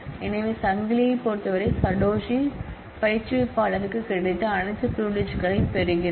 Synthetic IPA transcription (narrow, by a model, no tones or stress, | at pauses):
ɛnɐʋeːsɐŋɡɪlɪjɐɪpːoːɾt̪ːɯʋɐɾɐɪsɐɽoːʂi | pɐjɪɾt͡ʃːiɪpːaːlɐɾɯkːɯkɪɽɐɪt̪ːɐɐɳɐɪt̪ːɯpɾuɽɪd͡ʒkɐɭɐɪpɛɾɯɣɪɾ